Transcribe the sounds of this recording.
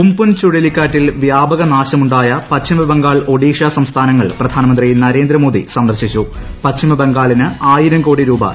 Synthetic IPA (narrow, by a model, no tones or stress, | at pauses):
umpunt͡ɕuɽilikʲːaːʈːilʋjaːbɐɣɐnaːɕɐmuɳɖaːjɐpɐtɕimɐbeŋɡaːɭo̞ɽiːkʂaːsɐmst̪ʰaːnɐŋːɐɭprɐd̪ʱaːnɐmɐnd̪rijinɐɾe̞ːnd̪ɾɐmo̞ːd̪ḭsɐnd̪ɐrɕit͡ɕːu | pɐɕimɐbeŋɡaːɭinɨaːjiɾɐmko̞ːɽiɾuːbɐ̰